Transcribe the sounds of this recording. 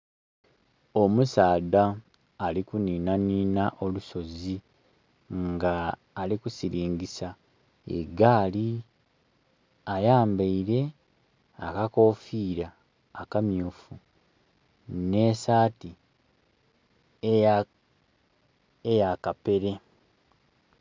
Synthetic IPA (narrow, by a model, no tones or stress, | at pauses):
o̞musaːd̪aː | likuniːnaniːnaʔo̞luso̞zi | ŋɡaː | likusiɾiːŋɡisa | ḛɡaːli | ajaːmbaiɾe̞ | akako̞ːfiːɾaː | kamjuːfu | ne̞saːti | ejakape̞ɾe̞